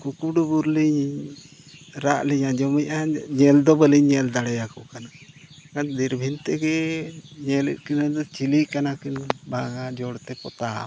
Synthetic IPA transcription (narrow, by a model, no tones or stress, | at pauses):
kukuɖubuɾliɲ | ɾaʔliɲad͡ʒɔmijʔaɲɛld̪ɔbəliɲɲɛld̪aɽɛjakɔkanakand̪iɾbʱint̪ɛɡɛɲɛlə̰ʔkinad̪ɔt͡ʃilikanakinbaŋad͡ʒɔɽt̪ɛpɔ̰t̪a